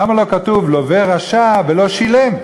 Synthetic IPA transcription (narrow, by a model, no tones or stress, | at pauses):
amalo̞kat̪uvlo̞veʁaʃavelo̞ʃile̞m